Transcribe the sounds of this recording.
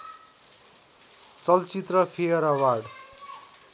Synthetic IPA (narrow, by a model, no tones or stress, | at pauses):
t͡sʌlt͡sit̪rʌpʰejʌɾʌwarɽ